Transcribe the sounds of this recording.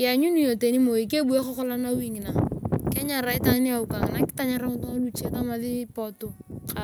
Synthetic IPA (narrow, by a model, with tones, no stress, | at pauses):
ɪa˨ɲu˦ni˨˦jo˨te˨ni˦mo˨i˨ke˦bu˨˦e˦kɔ˦kɔ˦la˦na˦wi˦ŋɪ˨na˨kɛ˦ɲa˨ɾa˨˦ɪ˦ta˦ŋ˦nɪ˦a˨u˨ka˨ŋɪ˨na˦kɪ̥˦ta˦ɲa˨ɾa˦ŋʊ˦tɔ˦a˦nu˦t͡ʃta˦ma˨˦ðɪ˦pɔ˨tʊ˦ka˨